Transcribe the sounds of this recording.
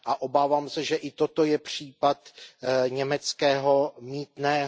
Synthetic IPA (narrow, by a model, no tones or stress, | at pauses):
ʔaʔo̞baːvaːmsɛʒɛʔɪt̪o̞t̪o̞jɛpr̝̥iːpat̪ɲɛmɛt͡skɛːɦo̞miːt̪nɛː